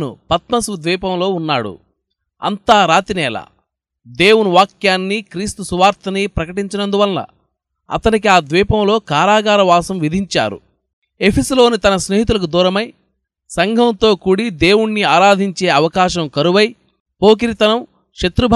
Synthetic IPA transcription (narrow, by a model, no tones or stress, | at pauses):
nṵpɐt̪mɐsʋud̪ʋiːpɐmlo̞ːunːa̰ːɽṵ | ɐ̰nt̪aːɾaːt̪inɛːlɐ̰ | d̪e̞ːwunuʋaːkjaːnːikɾiːst̪usuʋaːɾt̪ʰɐnipɾɐkɐʈiɲt͡ʃɐnɐnd̪uʋɐnːɐ̰ | ɐ̰t̪ɐnikiaːd̪ʋiːpɐmlo̞ːkaːɾaːɡaːɾɐʋaːsɐmʋid̪ʱiɲt͡ʃa̰ːɾṵ | epʰesɐlo̞ːnit̪ɐnɐsneːɦit̪̬ulɐk̬ud̪uːɾɐmɐj | sɐŋɡʱɐnt̪o̞ːkuːɽid̪e̞ːwuɳːiaːɾaːd̪ʱiɲt͡ʃe̞ːɐʋɐkaːʃɐmkɐɾuʋɐj | po̞ːk̬iɾit̪ɐnɐm | ʂɐt̪ɾubʱ